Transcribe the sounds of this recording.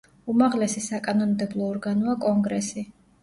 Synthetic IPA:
umaʁlɛsisakʼanɔnmd̪ɛblˠɔːɾɡanɔakʼɔŋɡɾɛsi

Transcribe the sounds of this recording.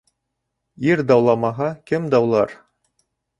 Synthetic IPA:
iɾd̪ɑwlˠɑmɑɦɑkɘmd̪ɑwlˠɑ̰ɾ

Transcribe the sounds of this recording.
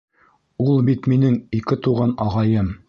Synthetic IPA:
ulˠbit̪minɘŋikɘt̪uʁɑnɑʁɑjɤm

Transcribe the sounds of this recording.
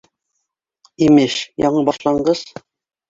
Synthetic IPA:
imɘʃjɒɴɤbɒʃlˠɑɴɢɤz̥

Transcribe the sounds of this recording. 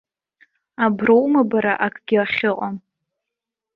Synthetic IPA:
abrowmabaɾaʔakʼɡʲɪaχʲɪqʼam

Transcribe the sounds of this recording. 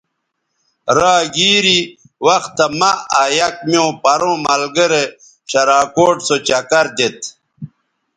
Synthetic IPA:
ɾaːɡiːɾi | wɐxt̪ːɐmaajɐk̚mjõːpɐɾõmɐlɡəɾe | ɕɐɾaːkoːʈsot͡ɕɐkɐɾd̪et̪

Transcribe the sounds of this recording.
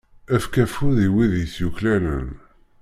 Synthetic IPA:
æfkæfʊðiwiðjəsjuklænə̰n

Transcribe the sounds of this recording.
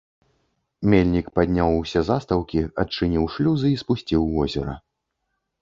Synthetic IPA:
mʲelʲnʲikpad̪ʲnʲawusʲɛzast̪ɐwkʲiɐt̚t͡ʂɨnʲiwʂlʲuzɨispusʲt͡sʲiwːɔzʲɛ̰ɾɐ̰

